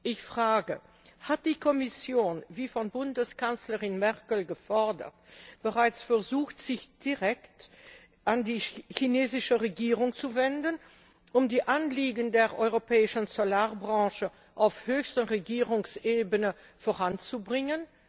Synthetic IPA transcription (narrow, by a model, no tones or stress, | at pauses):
ʔɪçfʁ̥aːɡə | hat̚d̥iːkʰɔmɪsjoːnviːfɔnbʊndəskansləʁɪnmɛʁkəl̩ɡəfɔɐdə̰tb̥əʁaɪt͡sfɛɐzuːxtz̥ɪçd̥iʁɛkt | ʔandiːçineːzɪʃəʁeɡiːʁʊŋt͡suvɛndən | ʔʊmdiːʔanliːɡən̩deːɐʔɔʏʁopʰɛːɪʃn̩zolaːɐbʁɑ̃ːʃə | ʔaʊfhøːçstənʁeɡiːʁʊŋseːbənə | foːʁant͡subʁɪŋən